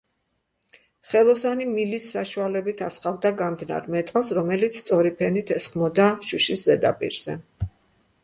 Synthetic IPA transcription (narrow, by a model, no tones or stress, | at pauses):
χɛlˠɔsanimilisːaʃualɛbit̪ʰasχavd̪aɡamd̪na̰ɾmɛt̪ʼalˠsɾɔmɛlit̪sʰst̪sʼɔɾipʰɛnit̪ʰɛsχmɔd̪aʃuʃiszɛd̪a̰pʼḭɾz̥ɛ̰